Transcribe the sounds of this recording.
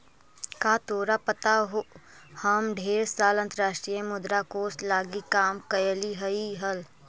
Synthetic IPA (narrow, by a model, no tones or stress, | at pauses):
kaːt̪oːɾapət̪aɦo | hɐmɖʱeːɾsaːlə̃nt̪əɾaːʃʈɾijẽmʊd̪ɾakoːslaːɡikaːmkəjəliɦəiɦəl